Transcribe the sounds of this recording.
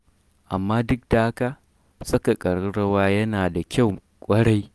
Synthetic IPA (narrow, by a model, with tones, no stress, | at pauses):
ʔa˨mːaː˦dʊ˦k̚da˨ha˦ka˨ | sɐ˦ka˨kʼɐ˨ɽɽɐ˦waː˦jɐ˦naː˨da˨kʲa˦˨w | kʷʼɐ˦ɽa˦j